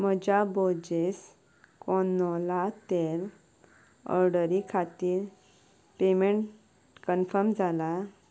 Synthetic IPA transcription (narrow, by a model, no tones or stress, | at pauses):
m̤əd͡ʑabod͡ʑes | kɔnːɔlat̪eɾ | ə̰ɾɖəɾikʰat̪iːɾ | pemeɳʈ | kənfəɾmd͡zʱala